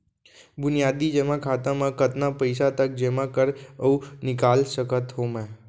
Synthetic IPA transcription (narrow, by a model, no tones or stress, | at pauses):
bʊnijaːd̪id͡ʒɛːmãkʰaːt̪ãmãkət̪napəɪsat̪ək̚d͡ʒɛːmãkəɾəunɪkaːlsəkət̪ɦomɛ̃ː